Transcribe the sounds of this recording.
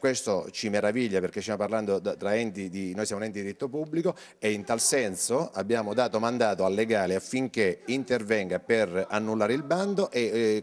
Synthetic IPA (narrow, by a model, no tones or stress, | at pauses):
kwest̪ot͡ʃimeɾaviʎːaperk̟est̪jamːoparland̪od̪t̪ɾaɛnt̪id̪inojsjaːmunɛnt̪id̪ɾit̪ːopubːliko | eint̪alsɛnsoabːjaːmod̪aːt̪omand̪aːt̪oalːeɡaːleafːiŋk̟eint̪ervɛŋɡaperanːulːaːɾeilband̪oʔe